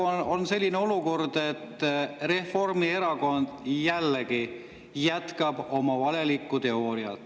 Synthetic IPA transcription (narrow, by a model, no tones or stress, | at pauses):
onse̞lʲːineo̞luko̞rd̪̥e̞t̪ːre̞fo̞rmie̞ɾɑko̞nd̪̥jælːeɡi | jæt̪kɑb̥o̞mɑvɑle̞likːˑut̪e̞o̞ːɾiɑ̰t̪ːˑ